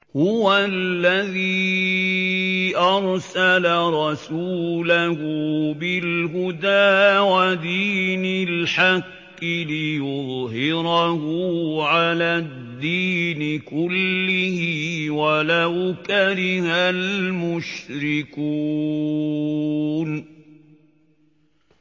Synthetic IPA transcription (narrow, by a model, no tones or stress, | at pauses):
hʊwalːaðiː | ʔɑɾˤsalaɾˤɑsuːlahʊbɪlɦʊd̪aːwad̪iːnalħaqː | ɪlɪjʊðˤɦɪɾahʊʕalaːd̪ːiːnɪkʊlːɪhɪwalawkaɾɪhalmʊʃɾɪku | n